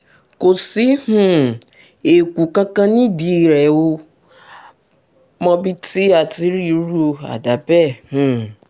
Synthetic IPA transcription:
ko˨si˦hũ˦˨ | e˨ku˨kã˦kã˦nĩ˦˨di˧˦˨ɾɛ˨wo˧ | mɔ̃˧bi˦ti˦a˨ti˨˦ɾi˦ɾu˦o˧a̰˨da˨˦bɛ˦˨hũ˨

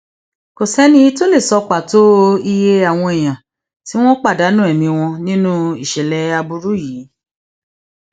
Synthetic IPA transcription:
ko˨sɛ˦nĩ˦i˧to˦le˦˨sɔ˧k͡pa˨to˦i˧je˧a˨w̃ɔ̃˧e˨j̃ã˨ | ti˨˦w̃ɔ̃˦k͡pa˦˨da˨˦nũ˦ɛ˦˨mĩ˧w̃ɔ̃˧nĩ˦nũ˦i˦˨ʃɛ˨lɛ˧a˧bu˧ɾu˦jiː˨˦

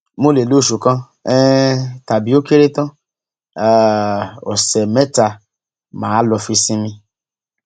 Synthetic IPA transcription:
mo˦le˨lo˦˨ʃu˨kã˦ | ɛ˦ta˨bi˦o˦ke˦ɾe˦tɔ̃˦ | a˨ɔ̰˨sɛ˨mɛ˦ta˧ | mãː˨˦lɔ˧fi˧sĩ˧˦mĩ˧

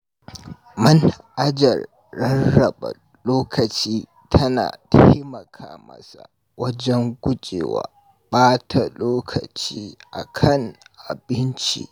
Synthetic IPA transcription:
mɐ˦nʔa˦d͡ʒɐ˨rː | ɐ˦nːɐ˨bɐ̰˨ | loː˦kʰɐ˨t͡ʃiː˦ | tʰɐ˦na̰ː˨tʰa˦jmɐ˨kʰaː˦mɐ̰˦sa̰˨ | wɐ˦d͡ʒɛ˦ŋɡʷʊ˦t͡ʃʼḛː˨wa̰ː˨ | ɓaː˦tʰa˨loː˦kʰɐ̰˨t͡ʃiː˦ʔa̰˨kʰɐ˦˨ŋʔa˨bɪ˦nt͡ʃḭ˦

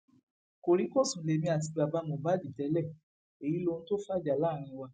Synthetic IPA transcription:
ko˨ɾi˨˦ko˦˨sũ˨˦le˨mĩ˧a˨t̬i˧ba˨ba˨˧mɔ̃˨ba˨˦di˨tɛ˨˦lɛ˦˨ | e˨ji˨˦lo˧ñ̩˦to˦fa˦˨d͡ʒa˨laː˦˨ɾ̃ĩ˧wa˧

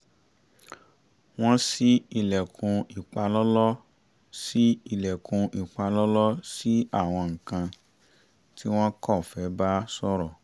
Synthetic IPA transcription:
w̃ɔ̃˦si˦i˧˨lɛ˨kũ˧i˨k͡pa˧lɔ˦lɔ˦ | si˦i˧˨lɛ˨kũ˧ʔi˨k͡pa˧lɔ˦lɔ˦si˦a˦˨w̃ɔ̃˧ŋ̩˨kã˧ | ti˦w̃ɔ̃˦kɔ˦˨fɛ˨˦ba˦sɔ˦ɾɔ˨

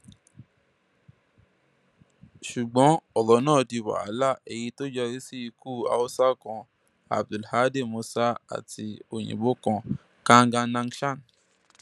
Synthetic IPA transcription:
ʃu˨ɡ͡bɔ̃˨˦ɔ˨lɔ˨˦nãː˦˨di˧wa̰˨a˨˦la˦˨e˧ji˧to˦d͡ʒɛ˧ɾi˦si˦i˧ku˦˨a̰˨o˦sa˦kɔ̃˧ | a̰˨b̚du˨lha˨˦de˦˨mo˧sa˦a̰˦˨ti˧o˨j̃ḭ̃˨bo˦kɔ̃˧ | kã˦˧ŋɡã˧nã˧ŋʃa˦˨n

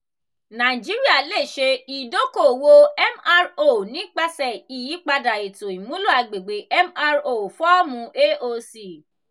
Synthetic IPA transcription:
nã˨d͡ʒi˨˦ɾi˦a˦˨le˦˨ʃe˧i˨do˨˦ko˦˨wo˧ɛ˦ma˧ɾo˦˨nĩ˨˦k͡pa˧sɛ˨i˨ji˨˦k͡pa˧da˨e˨to˨i˨mũ˨˦lo˦˨a˧ɡ͡be˨ɡ͡be˨˦ɛ˦ma˧ɾo˨fɔ˦mũ˧˦ʔe˦ʔo˧si˨

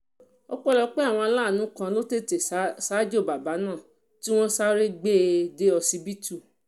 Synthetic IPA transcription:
ɔ˧k͡pɔ˦˨lɔ˧k͡pe˦a˦˨w̃ɔ̃˧a˧la˦˨nũ˨˦kã˧lo˦te˦˨te˨sa˦d͡ʒo˦˨ba˨ba˨˦nã˦˨ | ti˦w̃ɔ̃˦sa˦ɾe˦ɡ͡be˦˨de˦ɔ˧si˧bi˦tu˦˨

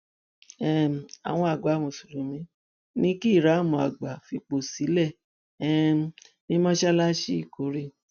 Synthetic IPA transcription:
ɛ̃˦˨a̰˨w̃ɔ̃˧a˨ɡ͡ba˨˦mo˨su˨ɾũ˨mĩ˨˦ | nĩ˦ki˦˨ɾa˨˦˨mɔ̃˨˧˨a˨ɡ͡ba˨fi˧k͡po˨si˨˦lɛ˦˨ | ɛ˦ | nĩ˦mɔ̃˦ʃɛ˦la˦ʃi˦i˦˨ko˨˦ɾe˦

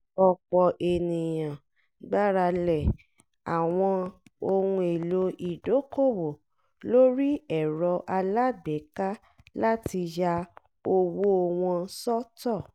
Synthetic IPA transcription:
ɔ˧k͡pɔ˨ʔe˨nĩ˨jã˨ | ɡ͡ba˦ɾa˧lɛ˦˨ | a˨w̃ɔ̃˧o˧hũ˧e˨lo˧i˨do˨˦ko˦˨wo˨ | lo˦ɾi˦ɛ˨ɾɔ˧ʔa˧la˦bɛ˨˦ka˦ | la˦ti˧ja˧ | o˧wo˦o˧w̃ɔ̃˧sɔ˦tɔ˦˨

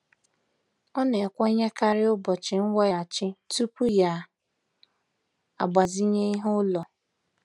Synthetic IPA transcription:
ɔ˦ne˨kʷɔ˦ɲe˦ka˦ɾɪ˦ʊ˦bɔ˨t͡ʃɪ˨ŋ̩˦wa˦ja˨a˨t͡ʃɪ˦tu˦pu˦ja˨ | a̰˨ɡ͡ba˨zi˦ɲe˦i˦ɦʊ˦lɔ˨

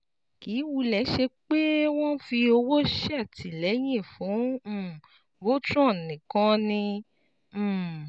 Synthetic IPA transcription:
ki˨˦wu˧lɛ˨˦ʃe˧k͡pe˦w̃ɔ̃˦fi˧o˧wo˦ʃi˦a˦˨ti˨lɛ˨˦j̃ĩ˦˨fũ˨˦˨ | bo˦tɾɔ̃˦˨nĩ˨kã˦nĩ˧˦˨

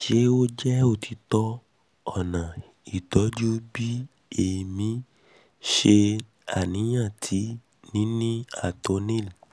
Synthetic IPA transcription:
ʃe˦o˦d͡ʒɛ˦o˦˨tʰi˧tɔ˧˦ | ɔ˦˨nã˨ | i˨tɔ˨˦d͡ʒu˦bi˦ | e˨mĩ˨˦ | ʃe˧ | a˨nĩ˨˦j̃ã˦˨tʰi˨˦ | nĩ˨˦nĩ˦a˦˨to˨˧˦nĩ˦˨l

